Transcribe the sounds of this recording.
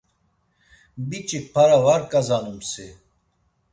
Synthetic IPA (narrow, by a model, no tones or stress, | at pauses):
bit͡ʃʼik̚pʰaɾavaɾkʼazanumsi